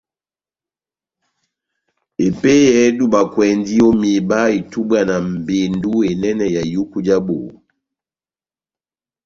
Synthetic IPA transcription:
e˨pe˦jɛ˦du˦ba˨kwɛ˨ndi˦o˦mi˨ba˦i˨tu˦ba˦˨na˨m̩˨be˨ndu˦e˨nɛ˦nɛ˨ja˨ju˦ku˦d͡ʒa˦bo˨

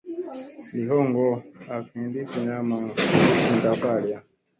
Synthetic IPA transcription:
li˨ɦɔ˦ŋɡɔ˦a˨ki˨ndi˦ki˨ɲa˦ma˨i˨nta˨pa˦˨lja˨

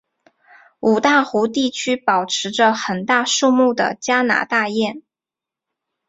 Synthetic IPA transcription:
u˨˩t̪a˥˩xu˧˥t̪i˥˩t͡ɕʰy˥pɑ˨˩ʊʈ͡ʂʰɻ̩˧˥ʈ͡ʂə˧xə˨˩nt̪a˥˧ʂu˥˧mu˥˩d̪ə̰˩t͡ɕja˥na̰˧˥t̪a˥˧jɛ˥˩n

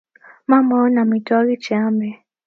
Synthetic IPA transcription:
ma˦mɔ˦na˨mi˨tɔ˦li˦t͡ʃɛ˨a˦mbɛ˨

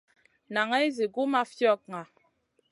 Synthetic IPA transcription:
na˨ŋɛ˦i˦zi˨ɡu˦ma˦fjɔ˦˨k̚ŋa˨

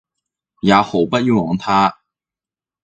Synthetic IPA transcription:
ja˨˥xo˨˩ʊpa˥t̚ji˥˩wɔ˨˥ŋt̪ʰa˥

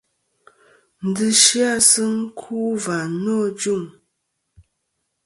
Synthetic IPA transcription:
n̩˨dɨ˦ʃi˦a˦˨sɨ˦ŋ˦kʰu˦va˨nɔ˦˨d͡ʒu˦˨ŋ

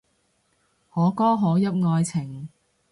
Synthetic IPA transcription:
hɔː˨˥kɔː˥ɦɔː˨˥jɐ˥p̚ŋɔː˧jt͡sʰɪ˨˩ŋ

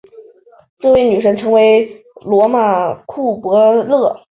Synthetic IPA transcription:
ʈ͡ʂɤ˥˧we˥˩ɪny˨˩ʂə˧˥ŋʈ͡ʂʰɤ˧˥ŋwe˧˥ɪ | lwɔ˧˥ma˨˩kʰu˥˩pwɤ˧˥lɤ˥˩

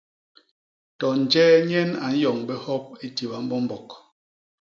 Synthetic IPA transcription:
tɔ˨n̩˨d͡ʒɛː˦ɲɛ˦na˨n̩˦jɔ˨ŋbɛ˦hɔ˦p̚e˦ti˨ba˨m̩˦bɔ˦m̩˦bɔ˨k

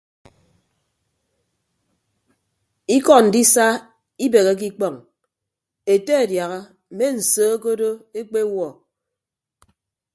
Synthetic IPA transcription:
i˦kɔ˦˨n̩˨di˦sa˦ | i˦be˨ɣe˨˦k̬i˦k͡pɔ˦˨ŋ | e˨te˦e˨dja˨ɣa˦ | m̩˨me˦n̩˨soː˨˦o˦ko˦do˦e˦k͡pe˦wɔ˨

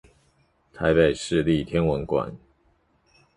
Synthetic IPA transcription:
t̪ʰa˧˥ɪpe˨˩ɪʂɻ̩˥˧li˥˨t̪ʰjɛ˥nwə˧˥nkwa̰˨˩˦n

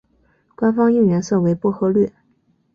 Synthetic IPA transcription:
kwa˥nfɑ˥ŋi˥˩ŋɥɛ˧˥nsɤ˥˩we˧˥ɪpwɔ˥˩xɤ˧˥lɥɛ˥˩

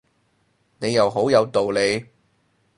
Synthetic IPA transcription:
ne˨˧jɐ˨wɦo˨˥wjɐ˨˧wt̪o˨wle˨˧j

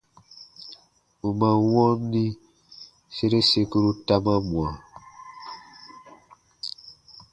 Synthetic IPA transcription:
u˨ma˨wɔ˦ni˦ | se˦ɾe˦se˦ku˦ɾu˦ta˦ma˦mwa˨

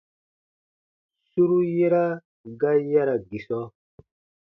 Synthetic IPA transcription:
su˦ɾu˦je˦ɾa˦ | ɡa˦ja˦ɾa˨ɡi˨sɔ˦

